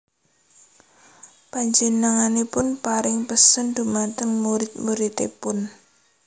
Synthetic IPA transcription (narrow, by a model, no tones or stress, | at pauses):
paɲd͡ʒinaŋanepʊnpaɾɪŋpəsənd̪umat̪əŋmuɾɪt̪̚muɾit̪ḛpʊn